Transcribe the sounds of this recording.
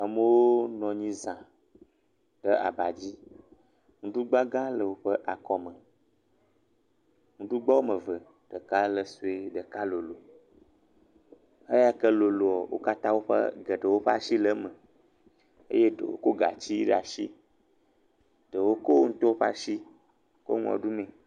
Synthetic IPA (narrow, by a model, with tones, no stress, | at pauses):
a˨mə˦wo˦nɔ̃˨ɲĩ˦zã˨ | ɖ̥ə˦a̰˨ba˨d͡ʑi˦ | ŋũ˦ɖu˦ɡ͡ba˦ɡã˦lə˨wo˦ɸə˦ʔa˨kɔ˦mə̃˨ | ŋũ˦ɖu˦ɡ͡ba˦wo˦mə̃˨və˨ | ɖ̥ə˨ka˦lə˨su˨e˨ɖə˨ka˦lo˨lo˨ | ə˦ja˦kə˦lo˨lo˨ɔ˨wo̰˦ka˦t̪ã˦wo˦ɸə̰˦ɡə˨ɖə˨wo˦ɸa̰˦ʃi˦lə˦mə̃˨ | ḛ˦je˦ɖə̰˨wo̰˦ko˦ɡa̰˨t͡ɕi˦ɖa̰˨ʃi˦ | ɖ̥ə˨wo˦ko˦ŋũ˦t̪o˦o˦ɸa̰˦ʃi˦ | ko̰˦ŋɔ̰̃˨ɖu˦mẽ˨